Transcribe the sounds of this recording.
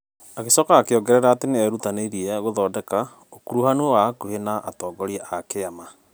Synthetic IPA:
aɣesɔkaːkeɔɡɛɾɛɾaːteneɛɾutaneiɾiɛɣoðɔːdɛka | okuɾuhanowakuhenaʔatɔːɡɔɾiɛʔakeama

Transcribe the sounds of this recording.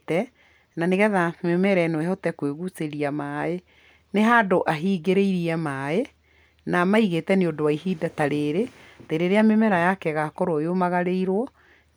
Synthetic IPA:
tɛ | naneɣɛðamemɛɾɛnoɛɦɔtɛkweɣuseɾiamae | neɦadoʔaɦiːɡeɾeiɾiɛmae | namaiɣetɛneodowaiɦiːdataɾeːɾeteɾeɾeamemɛɾajakɛɣakɔɾojomaɣaɾeiɾwɔ

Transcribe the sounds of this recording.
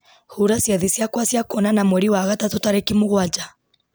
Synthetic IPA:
huɾasiaðisjakwasjakɔnanamwɛɾiwaɣatatutaɾɛkimuɣwad͡ʒa

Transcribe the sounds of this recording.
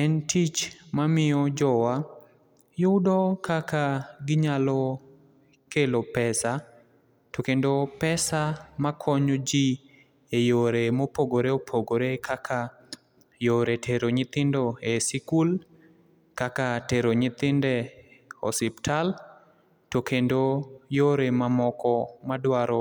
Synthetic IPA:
ɛntit͡ʃmamɪɔd͡ʒɔwa | jʊdɔkakaɡɪɲalɔ | kelopɛsa | tokendopɛsamakʰɔɲod͡ʒi | ejoɾemopoɡoɾeopʰoɡoɾekʰakʰa | joɾetʰeɾoɲɪt̪ɪndoesikul | kakateɾoɲɪt̪ɪndɛɔ̰sɪptʰal | tokʰendojoɾemamɔkɔmadwaɾɔ

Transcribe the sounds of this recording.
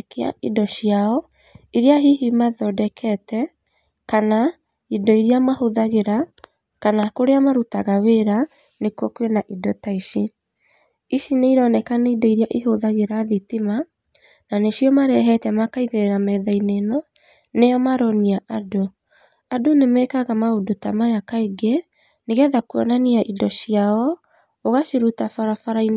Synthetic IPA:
kea̰idɔɕjaɔ | iɾiaɦiɦimaðɔdɛkʰɛtɛ | kana | idɔiɾiamahoðaɣeɾa | kanakoɾeamaɾutaɣaweɾa | nekwɔkwenaʔidɔtaiʃi | iʃineiɾɔnɛkaneidɔiɾiaʔiɦoðaɣeɾaðitima | naneʃijɔmaɾɛɦɛtɛmakaiɣeɾɛɾamɛðainenɔ | nejɔmaɾɔniaʔado | adonemɛkaɣamaodotamajakaiɡe | neɣɛðakuɔnaniaʔidɔʃiaɔ | oɣaʃiɾutafaɾafaɾain

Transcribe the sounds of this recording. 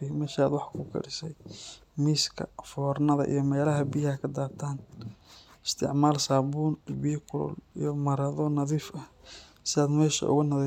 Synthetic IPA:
ɪmɛːʃaːd̪wɑħkʰʊkʰɐ̰ɽɪsɛjmiːskʰɐ̰fɔːrnɐðɐ̰ʔḭjɞmɛːlɐɦɐbijɐkʰɐd̪aːrt̪ʰaːn | ɪst̪ʰɪ̰ʕmaːlsaːbuːnbijkʰʊlɔ̰lḭjɔmɐɾɐðɔnɐðiːfʔɐ | sɪðaːd̪mɛːʃɐ̰ʔʊ̰ɣʊnɐði

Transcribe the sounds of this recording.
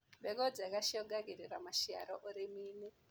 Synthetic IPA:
mbekod͡zakaʃioɡaɡiriramaʃia̰ɾoʔuɾimiːni

